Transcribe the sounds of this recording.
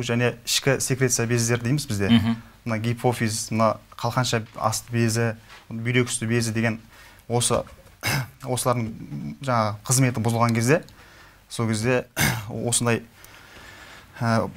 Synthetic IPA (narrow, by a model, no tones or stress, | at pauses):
ʒæne̞ɪʃkʲɪsʲekɾe̞t̪sijabe̞zd̪e̞ɾɪd̪ejmɪzbɪzd̪e̞ | mənɑɡʲijpʰo̞fismənɑqʰɑlˠqɑnʃɑɑ̰st̪əbezɪbʏjɾe̞kʲʰʏ̥st̪ɪbe̞zɪd̪e̞ɡʲe̞n | wo̞sə̰ | wo̞səlˠɑɾd̪əɴʒɑɴɑʁəqʰəzme̞t̪ɪbʊzəlˠʁɑŋkʲʰe̞zd̪e̞ | so̞lˠkʰʲe̞zd̪e̞wo̞sənd̪ɑj | ə